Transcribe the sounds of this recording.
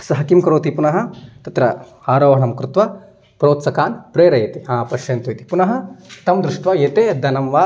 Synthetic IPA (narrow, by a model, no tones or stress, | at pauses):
sɐɦɐkimkɾoːt̪ipunɐɦɐ̆t̪ɐt̪ɾɐ | aːɾoːʋɦɐɳɐmkɾɪt̪ʋɐ | pɾoːt̪sɐkaːnpɾeːɾɐjeːt̪iɦãːpɐʃjeːnt̪oːjt̪i̥punɐɦɐ̆t̪ɐmd̪ɾuʂʈʋɐjeːt̪eːd̪ʱɐnɐmʋaː